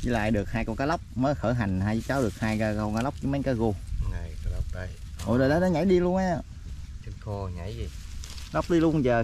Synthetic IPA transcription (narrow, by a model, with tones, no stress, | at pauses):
zḭ˧˩la̰ː˧˨jɗɨ˨˩ək̚haː˧jkɔ˧kaː˨˦lə˦˥wk͡p̚məː˨˦jxəː˧˩ɦa˨˩jŋ̟haː˧jt͡ɕaː˨˦˥wɗɨ˨˩ək̚haː˧jkaː˧kɔ˧kaː˧˦la˦˥wk͡p̚t͡ɕɨ˧˦me˨˦ŋkaː˨˦jɣo˧ŋa˨˩jkːla˦˥wk͡p̚ɗə˧jʔo̰˨˩ɗə˨˩ɗa˨˦nɔ˨˦ɲa˧˩jɗi˧lu˧ənʔaː˧˩ | t͡ɕə˨˧nxo˧ɲa˧˩˦ji˨˩ | la˦˥wk͡p̚ɗi˧lu˧əŋzəː˨˩